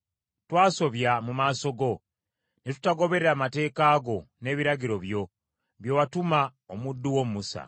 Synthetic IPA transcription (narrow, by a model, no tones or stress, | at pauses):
twaːso̞βjamumaːso̞ɡo̞ | netu̥taɡo̞βe̞ɾeɾamate̞ːkaːɡo̞ne̞ːβiɾaɡiɾo̞βjo̞ | βjowatumaomudːuwousa̰